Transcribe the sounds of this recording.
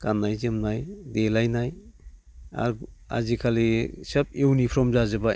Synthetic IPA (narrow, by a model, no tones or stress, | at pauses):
kanːajzemnajdelajnaj | a̰ɾ | a̰zikʰalisap̚ewnipʰɾɔmzazɯba